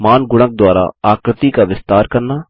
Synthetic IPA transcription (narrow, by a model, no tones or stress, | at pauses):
maːnɡʊɽ̃ək̚d̪ʊwaːɾa̰ːaːkɾət̪iːkaʋɪst̪aːɾkəɾnaː